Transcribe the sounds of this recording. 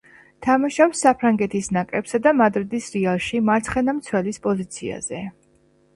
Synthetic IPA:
t̪ʰamaʃapsːapʰɾaŋɡɛt̪ʰisnakʼɾɛpsad̪amad̪ɾid̪isɾialˠʃimaɾt̪sʰχɛnamt̪sʰwɛlispʼɔzit̪sʰia̰z̥ɛ

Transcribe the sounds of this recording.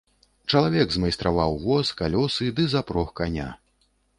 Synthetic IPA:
t͡ʂɐlˠavʲɛɡzmajst̪ɾavawvɔskalʲɔsɨd̪ɨzapɾɔxkanʲa̰

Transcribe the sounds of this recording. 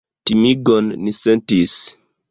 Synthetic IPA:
timiɡonːisentis

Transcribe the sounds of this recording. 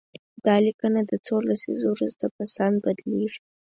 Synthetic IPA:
d̪̥ɑlikənad̪ət͡soɾlasḭzowɾuzt̪apəsɑnbad̪leʐi

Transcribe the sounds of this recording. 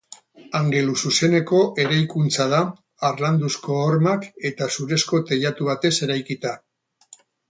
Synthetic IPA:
aŋɡe̞lususe̞ne̞ko̞ʔe̞ɾajkunt͡sað̞aː | ɾland̪usko̞ːɾmake̞t̪asuɾe̞sko̞t̪e̞ʎat̪uβ̞at̪e̞se̞ɾajkit̪a

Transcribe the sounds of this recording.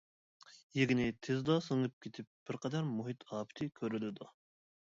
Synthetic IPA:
jeɡʲɪnɪt̪ʰɪzd̪ɑsɨŋɨp̚kʲʰet̪ʰɪp̚b̥ɪɾqʰɛd̪ɛɾmuɦit̪ʰɑːpʰɪ̥t̪ʰɪkʲʰøɾylɪd̪u

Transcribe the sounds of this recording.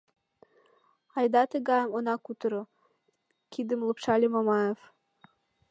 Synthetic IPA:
ɑjd̪ɑt̪əɣɑjəmonɑkut̪ɤɾɤ̆ | kʰid̪əmlˠɤ̆pʃɑlʲemomɑjef

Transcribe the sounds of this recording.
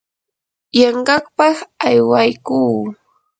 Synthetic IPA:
jɑɴɢɑχpɑχajwajkuː

